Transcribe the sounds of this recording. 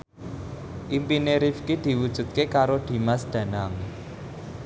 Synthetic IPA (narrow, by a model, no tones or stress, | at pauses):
ʔimpineɾifkid̪̥i̤wud̥ʒ̥ṳt̪̚kekaɾod̪̥i̤masd̪̥ä̤naŋ